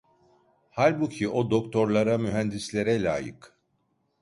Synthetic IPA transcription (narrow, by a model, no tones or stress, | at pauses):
halʲbucʰiʔo̞d̪o̞kt̪ʰo̞ɾlˠaɾamyɦænd̪islʲeɾɛlʲa̰ːjɯ̰k